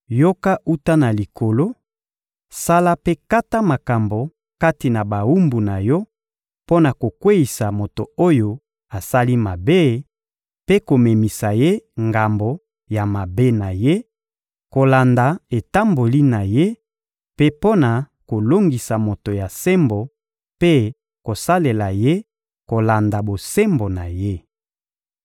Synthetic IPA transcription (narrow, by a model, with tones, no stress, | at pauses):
jo˦ka˦u˦ta˦na˨li˨ko˨lo˦ | sa˦la˦pe˦ka˦ta˦ma˨ka˨mbo˨ | ka˦ti˨na˨ba˨u˦mbu˨na˨jɔ˦ | po˦na˨ko˨kwe˦i˨sa˨mo˨to˨o˦jo˨ | a˨sa˦li˦ma˨be˦˨ | pe˦ko˨me˨mi˨sa˨je˦ŋɡa˨mbo˨ | ja˨ma˨be˦na˨je˦ | ko˨la˨nda˨e˨ta˦mbo˨li˦na˨je˦ | pe˦po˦na˨ | ko˨lo˦ŋɡi˨sa˨mo˨to˨ja˨se˦mbo˨ | pe˦ | ko˨sa˦le˨la˨je˦ | ko˨la˨nda˨bo˨se˦mbo˨na˨je˦